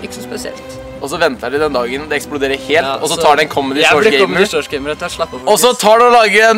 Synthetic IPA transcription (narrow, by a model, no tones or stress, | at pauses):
ɪksɔspɛsɪɛ̰lt̪ | ɔsɔʋɛnt̪əɖ̪ɪd̪ɛnd̪ɑːɡənd̪ɛɛksplʊd̪eːɾəheːlt̪ɔsɔt̪ʰɑːɖɛɛnkʰɔmːəd̪ɪɔːɡɛɪsɔɡɛɪməɾɛt̪ːlɑpːɔssɔt̪ʰɑːɖɛɔlɑːɡəɛn